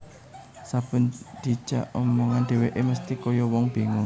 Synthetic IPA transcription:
sab̥ə̤nd̪̥i̤̥ʒ̥a̰ʔɔmɔŋanɖ̥̪e̤weʔeməst̪ikɔjɔwɔŋb̥e̤ŋɔ

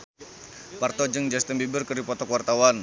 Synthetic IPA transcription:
part̪ɔd͡ʒɨŋd͡ʒast̪əmbibərkərdipɔt̪ɔkuwart̪awan

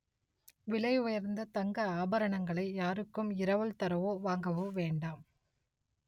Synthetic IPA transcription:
ʋɪɭɐɪʊjɐɾnd̪ɐt̪ɐŋɡɐaːbɐɾɐɳɐŋɡɐɭɐɪjaːɾɯkːɯmɪɾɐʋɐɭt̪ɐɾɐʋoːʋaːŋɡɐʋoʋeːɳɖaːm

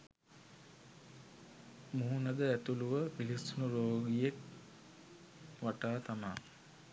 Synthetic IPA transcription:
muɦunɐd̪əæt̪uluʋəpilisunuɾoːɡijek | ʋaʈaːt̪ama̰

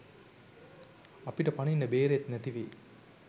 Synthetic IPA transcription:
ɐpiʈɐpɐninːɐbeːɾeet̪næt̪iʋḛː

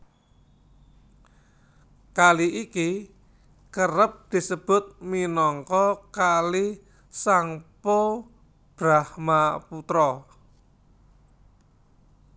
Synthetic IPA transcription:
kaliʔiki | kəɾəp̚d̪̥i̤səb̥ʊ̤t̪̚minɔŋkɔkali | saŋpo | b̥ɾahmaput̪ɾɔ

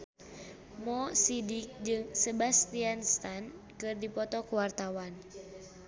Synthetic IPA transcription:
mɔsidik̚d͡ʒɨŋsɛbast̪ianst̪an | kɨrdipɔt̪ɔkuwart̪awan

